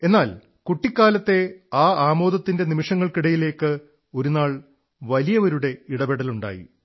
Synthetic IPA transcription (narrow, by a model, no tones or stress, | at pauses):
e̞nːaːl | kuʈːikːaːlɐt̪ːe̞aːaːmo̞ːd̪ɐt̪ːinde̞nimiʂɐŋːɐɭkiɽɐjile̞ːkːɨ | o̞ɾunaːɭ | ʋɐlijɐʋɐɾuɽe̞iɽɐbeɽɐluɳɖa̰ːjḭ